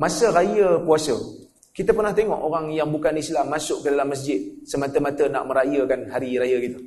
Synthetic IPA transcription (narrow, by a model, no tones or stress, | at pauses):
masəɾajəpuasə | kit̪əpərnaht̪eŋɔ̰ʔoɾaŋjaŋbukanisilamːasʊʔkədalamːəs̬d͡ʒɪt̪̚səmat̪əmat̪əna̰ʔmə̃ɾajəkanɦaɾiɾajəkit̪ə